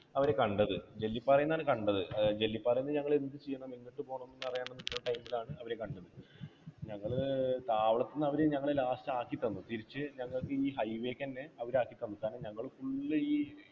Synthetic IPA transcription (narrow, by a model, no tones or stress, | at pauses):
ɐʋɐɾe̞kɐɳɖɐðɨd͡ʑe̞lːipːɐrɐjunːaːɳɨkɐɳɖɐðɨd͡ʑe̞lːipːɐrɐjunːɐɨɲɐŋːɐɭend̪ɨt͡ɕijːɐɳɐminːiʈːɨpo̞ːɳɐnːenːɨɐrɐjaːɳenːitːɐʈɐjmbilaːɳɨɐʋɐɾe̞kɐɳɖɐðɨ | ɲɐŋːɐɭt̪aːʋɐɭɐt̪ːinːɐʋɐɾeɲɐŋːɐɭɨlaːstaːkːit̪ːɐnːut̪iɾit͡ɕːɨɲɐŋːɐɭkːɨiːɦɐjʋe̞ːkːɐnːeɐʋɐɾaːkːit̪ːɐnːuk̪aːneɲɐŋːɐɭkuɭːɐiː